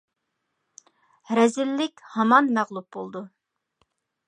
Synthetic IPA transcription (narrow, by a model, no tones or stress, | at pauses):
ɾɛzɪlːɪkʲhɑmɑnmæʁlˠup̚bolˠd̪u